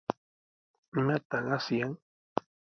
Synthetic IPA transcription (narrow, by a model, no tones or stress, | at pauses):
nat̪aŋasjaŋ